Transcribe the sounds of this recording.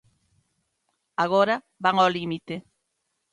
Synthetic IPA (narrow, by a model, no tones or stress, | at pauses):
aɣ̞oɾa | βaŋolimit̪e